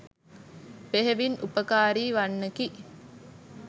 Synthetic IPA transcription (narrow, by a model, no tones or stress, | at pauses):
peɦeʋinʔupəkaːɾiːʋanːəki